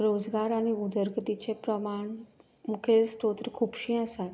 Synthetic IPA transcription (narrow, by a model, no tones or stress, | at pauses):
ɾod͡zɡaɾaɽ̃iud̪əɾɡt̪it͡ɕepɾəmaɳ | mukʰelst̪ot̪ɾikʰuːpɕĩəsat̪